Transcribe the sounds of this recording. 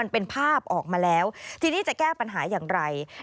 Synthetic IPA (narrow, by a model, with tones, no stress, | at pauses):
a˧npe˧npʰaː˥˩p̚ʔɔː˨˩k̚maː˧lɛː˦˥wt̪ʰiː˧niː˦˥˩t͡ɕa˨˩kɛː˥˩pa˧nɦaː˩˦jaː˨˩ŋɾa˧j